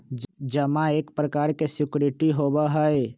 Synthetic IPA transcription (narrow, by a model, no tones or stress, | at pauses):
d͡ʒəmãeːkpɾəkaːɾkesɪkɾɪʈiɦoːbaɦəe